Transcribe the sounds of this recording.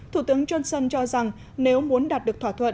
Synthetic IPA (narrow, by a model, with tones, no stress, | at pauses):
t̪ʰu˧˩t̪ɨ˨˦əŋt͡ɕwə˧nsə˧nt͡ɕɔ˧za˨˩ŋ | ne˨˦wmu˨˦ənɗaː˨˩t̚ɗɨ˨˩ək̚t̪ʰaː˧˩t̪ʰwə̰˧˨n